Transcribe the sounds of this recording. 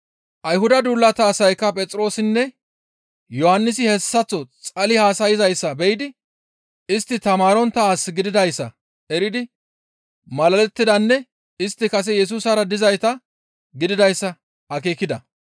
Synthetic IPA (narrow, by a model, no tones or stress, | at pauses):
ʔɐjɦʊd̪ɐd̪uːlːɐt̪aːsɐjkːɐpʼɛt͡sʼɾo̞ːsɪnːɛ | jɔhɐnːɪs̬ɪhɛsːɐt͡sːɔt͡sʼɐlɪhaːsɐjɪzɐjsːɐbɛjɪd̪ɪ | ɪst̪ːɪt̪ɐmaːɾɔnt̪ːɐaːsɡɪd̪ɪd̪ɐjsːɐ̰ | ɛɾɪd̪ɪ | mɐlɐlɛt̪ːɪd̪ɐnːɛ | ɪst̪ːɪkɐs̬ɛjɛs̬uːsɐɾɐd̪ɪzɐjt̪ɐ | ɡɪd̪ɪd̪ɐjsːɐ | ɐk̬eːkɪd̪ɐ